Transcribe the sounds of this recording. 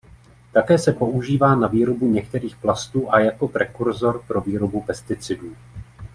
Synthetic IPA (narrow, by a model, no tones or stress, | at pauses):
t̪akɛːsɛpo̞ʔuʒiːvaːnaviːɾo̞buɲɛkt̪ɛɾiːxplast̪uːʔajako̞pɾɛkuɾzo̞ɾpɾo̞viːɾo̞bupɛst̪ɪt͡sɪduː